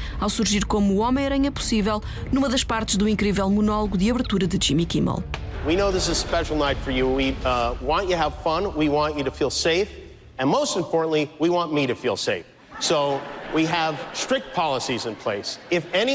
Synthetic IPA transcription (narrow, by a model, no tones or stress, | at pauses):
awsuɾʒiɾkomːɔmɐ̃j̃ɾɐɲɐpu̥sivɛlˠ | numɐðɐʃpaɾt̪ɨʒðuĩŋkɾivɛlˠmunɔlˠuɣuðiɐβɨɾt̪uɾɐðɨd͡ʒimikḭmə̰lˠwinoʊðɪsɨz̥spɛʃl̩ˠnaɪtfə˞jɨwiwɑ̃nt͡ʃɨɨəv̥fʌ̃nwiwɑ̃nt͡ʃɨɾɨfilˠseɪf | ɨ̃nmoʊstɨ̃m̩pʰɔɹʔn̩ʔliwiwɑ̃nmiɾɨfilˠseɪf | soʊwiəv̥stɹ̥ɪk̚t̚pʰɑlˠəsizɨ̃npʰl̥eɪsɨfɛñi